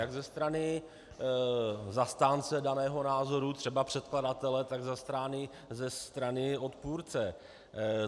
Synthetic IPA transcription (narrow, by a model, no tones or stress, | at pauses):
jaɡzɛst̪ɾanɪ | zast̪aːnt͡sɛdanɛːɦo̞naːzo̞ɾut̪r̥ɛbapr̝̥ɛt̪kladat̪ɛlɛt̪aɡzast̪ɾaːnɪ | zɛst̪ɾanɪo̞t̪puːɾt͡sɛ